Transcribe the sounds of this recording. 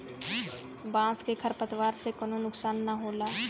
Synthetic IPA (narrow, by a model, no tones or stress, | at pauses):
bãːskekʰəɾpət̪ʋaːɾsekənonʊksaːnːaɦoːlaː